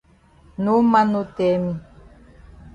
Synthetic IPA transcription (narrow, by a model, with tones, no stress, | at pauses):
nu˦ma˦nu˧t̪e˨mi˨